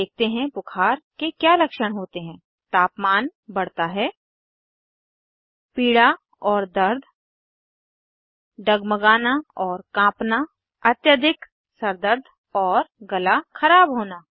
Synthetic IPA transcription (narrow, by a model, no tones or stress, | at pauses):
eːk̚t̪eɦɛ̃pʊkʰaːɾkekjaːlɐkʃəɽ̃ɦoːt̪eɦɛ̃ː | t̪aːpmaːnbɐɽ̤t̪aɦɛː | piːɽa | ɔːɾd̪ɐɾd̪ʱ | ɖɐɡməɡaːnaɔːɾkãːpna | ɐt̪jəd̪ʱɪk | sɐɾd̪əɾd̪ʱ | ɔːɾɡɐlaxɐɾaːbɦoːnaː